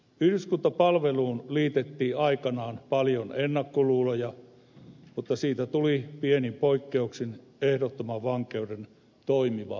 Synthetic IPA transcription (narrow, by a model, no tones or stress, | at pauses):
yhdyskunt̪ɑpɑlʋeluːnliːt̪et̪ːiːɑikɑnɑːnpɑljonenːɑkːoluːlojɑ | mut̪ːɑsiːt̪æt̪ulipienimpoikːeuksin | ehdot̪ːomɑʋʋɑŋkeuden | t̪oimiʋɑ̰